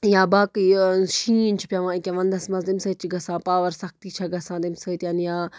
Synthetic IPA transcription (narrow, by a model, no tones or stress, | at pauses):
jãːbaːkiʃiːnt͡ʃʰu̥pjãʋãːikʲeʋɐ̃nd̪ɐsmɐsd̪imsəːt̪t͡ʃiɡɐsãːpaːʋɐɾsɐkʰt̪iːt͡ʃʰaɡɐsãːd̪imsəːt̪janjaː